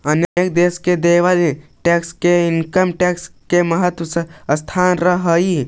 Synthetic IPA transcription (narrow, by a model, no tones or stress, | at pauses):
ənekd̪eːsked̪eːʋaʈɛːkskeɪnkəmʈɛːkskeməɦət̪ʋəsst̪ʰaːnɾəɦəi